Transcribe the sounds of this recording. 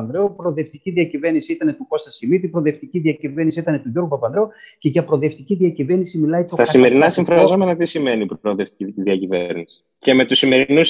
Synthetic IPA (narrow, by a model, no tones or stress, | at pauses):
ðɾeopɾo̞ðe̞ft̪iciðiɐcive̞ɾnisiit̪ɐne̞t̪uko̞st̪ɐsimit̪ipɾo̞ðe̞ft̪iciðiɐcive̞ɾnisiit̪ɐnet̪uʝo̞ɾɣupɐpɐðɾoce̞ʝɐpɾo̞ðe̞ft̪iciðiɐcive̞ɾnisimilɐit̪ot̪ɐssime̞ɾinɐsiɱfɾɐzo̞me̞nɐt̪isime̞nipɾoðeft̪i̥ciðiɐcivḛɾnisi̥ | ce̞me̞t̪usime̞ɾinus